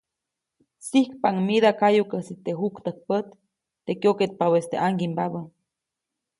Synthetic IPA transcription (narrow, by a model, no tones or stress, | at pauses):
sihkpaŋmiðakajukəsit̪eɦukt̪ək̚pət̪ː | ekjoket̪̚pawest̪ḛʔaŋɡimbaβə